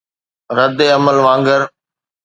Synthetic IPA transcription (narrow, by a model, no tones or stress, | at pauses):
ɾəd̪eːɐməlʋãːŋɡəɾ